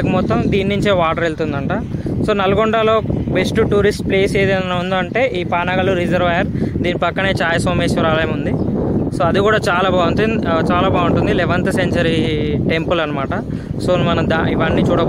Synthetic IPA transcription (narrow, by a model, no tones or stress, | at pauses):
kimɔt̪ːɐmd̪iːnːuɲt͡ʃeːʋaːʈɐɾelt̪und̪ɐɳʈaso̞ːnɐlɐɡoɳɖalo̞ːʋesʈuʈuːɾisʈple̞ːseːd̪iɐnɐnɐund̪oːɐɳʈe̞ːʔiːpaːnaɡɐluɾid͡ʒɐɾʋɐːjɐɾd̪iːnipɐkːɐne̞ːt͡ʃaːjɐsʋɐmeːsiɾaːlɐjɐmund̪isoːɐd̪ikuːɽaːt͡ʃaːlaːbaːunt̪ut͡ʃaːlaːbaːuɳʈund̪ilɛʋɐnt̪ɐseɲt͡ʃɐɾiʈe̞mpulɐnːɐmaːʈɐ | so̞ːnmɐnɐmd̪aːiʋɐɳːit͡ʃuːɽɐ